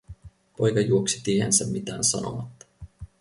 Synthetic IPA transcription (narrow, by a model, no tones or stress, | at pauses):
po̞jkɑjuoksi̥t̪iːhænsæmmit̪æːnsɑno̰ʋɑt̪ːɑ̥